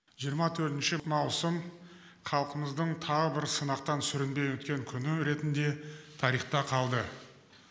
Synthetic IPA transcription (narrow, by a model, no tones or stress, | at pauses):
ʒ̥ijəɾmɑt̪ʰɵɾt̪ɪnʃɪmɑwsəm | χʰɑlˠqəməzd̪əɴt̪ʰɑʁəbɪɾsənɑqt̪ɑnsʏɾɪnbe̞jwɵt̪kʲe̞ŋkʲʰʏnɪɾe̞t̪ɪnd̪e̞t̪ʰɑɾijχt̪ɑqʰɑlˠd̪ə